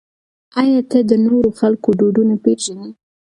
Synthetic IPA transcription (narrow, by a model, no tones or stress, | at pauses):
ɑjɑt̪ad̪ənoɾoxalkoɖoɖunapeʒani